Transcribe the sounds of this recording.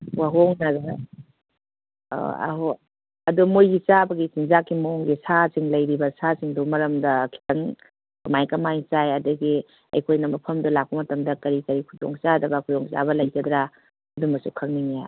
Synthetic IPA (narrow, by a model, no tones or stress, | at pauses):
waɦoŋnɐɡɐ | a̰ɦo | ɐ̰dumojɡit͡ʃabɐɡisinzakʰːimɐoŋɡisasiŋlɐjɾibɐsasiŋdumɐɾɐmdɐkʰi̥tɐŋ | kɐmajkɐmajt͡ʃajɐduɡi | ɐ̰jkʰojnɐmɐpʰɐmdɐlak̚pɐmɐtɐmdɐkɐɾikɐɾikʰudo̰ŋt͡ʃadɐbɐkʰudoŋt͡ʃa̰bɐlɐjkɐd̪ɾa | ɐdumɐsukʰɐŋninija